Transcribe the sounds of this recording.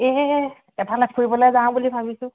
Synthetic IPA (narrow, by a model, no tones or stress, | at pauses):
e | ɛtalap̚koɹibɔloɛzaw̃bulibʱabisʊ̃